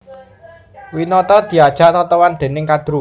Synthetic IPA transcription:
winɔt̪ɔd̪̥i̤ad̥ʒ̥a̤ʔt̪ɔt̪ɔwand̪̥e̤nɪŋkad̪̥ɾu

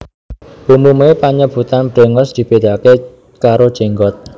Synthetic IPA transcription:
ʔumumepaɲəb̥ṳt̪anb̥ɾeŋɔsd̪̥i̤b̥ed̪̥ake | kaɾod̥ʒ̥eŋɡɔt̪̚

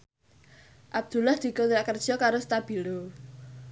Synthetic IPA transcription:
ʔab̚d̪̥ṳlahd̪̥i̤konɾaʔkərd̥ʒ̥ɔkaɾost̪ab̥i̤lo

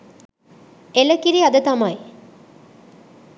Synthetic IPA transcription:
eləkiɾiad̪ət̪amaj

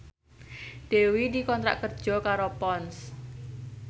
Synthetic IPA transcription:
ɖ̥ewidikɔnt̪ɾa̰ʔkərd̥ʒ̥ɔkaɾopɔns

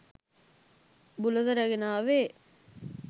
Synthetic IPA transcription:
bulɐd̪ɐɾɐɡenaːʋeː

